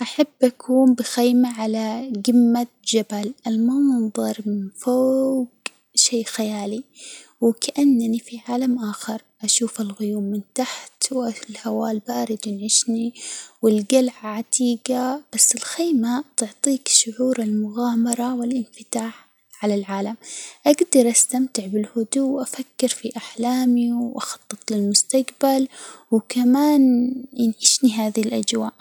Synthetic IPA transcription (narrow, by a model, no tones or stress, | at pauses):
ʔaħabːʔakʰuːnbɪxajmaʕalaɡɪmːa | d͡ʒabalʔalmɑnðˤɑɾˤmɪnfoːɡ | ʃeːxajaːliwɪkaʔanːnifiʕaːlamʔaːxɑɾˤ | ʔaʃuːfɪlɣʊjuːmːɪnt̪aħt̪wʔalhawaːlbaːɾɪd̪wɪnʕɪʃniwɪlɡalʕaʕat̪iːɡab̥asːɪlxiːmat̪ʊʕt̪ˤiːkʃʊʕuːɾɪlmʊɣaːmɑɾˤɑwɪlʔɪnfɪt̪aːħ | ʕalalʕaːlamʔaɡd̪ɑɾˤʔast̪amt̪ɪʕbɪlhʊd̪uwʔafakːɪɾfiʔaħlaːmiʔɑxɑ̥t̪ˤːɨt̪ˤlɪlmʊst̪aɡbalwkamaːnjɪnʕɪʃniɦaːðlʔad͡ʒwaːʔ